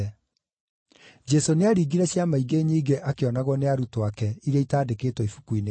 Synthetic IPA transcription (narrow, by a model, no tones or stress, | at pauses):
d͡ʒɛsoneaɾiːɡiɾɛɕjamaiɡeɲiːɡeʔakeɔnaɣwɔneaɾutoakɛiɾeitaːdekeːtwɔifu̥kuine